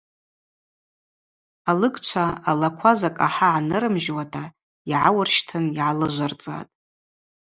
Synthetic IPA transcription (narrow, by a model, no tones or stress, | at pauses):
alɨɡʼt͡ʃʷʰaalakʷʰazakʼaħaʕanɨɾɨmʒwatʰa | iʕawarʃtʰɨniʕalɨʒʷart͡sʼa̰tʼ